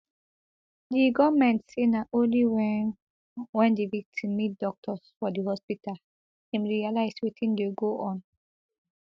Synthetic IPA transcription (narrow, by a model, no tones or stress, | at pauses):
diɡɔmɛ̃ntsenaʔõnliwɛ | wɛ̃ndevik̚tʰĩmːit̚d̥ɔk̚tʰɔsfɔdihɔspital | ĩmɹialaɪswitĩndeɡoʔɔ̃n